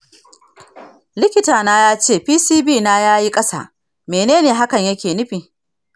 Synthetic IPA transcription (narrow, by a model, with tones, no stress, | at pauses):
lɪ˦kʲɪ˦taː˨naː˦jaː˦t͡ʃeː˦˨ɸiː˦siː˦biː˦˨naː˦jaː˦ji˦kʼɐ˦sa̰ː˨ | meː˨neː˦neː˨ɦa˦kɐ˨ɲjɐ˦kʲeː˨nɪ˦ɸiː˨